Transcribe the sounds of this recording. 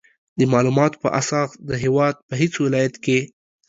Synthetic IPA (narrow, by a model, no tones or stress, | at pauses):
d̪əmɑlumɑt̪o̥pə̰ʔasɑsd̪əɦewɑd̪̚pəɦet͡swɪlɑjat̪ke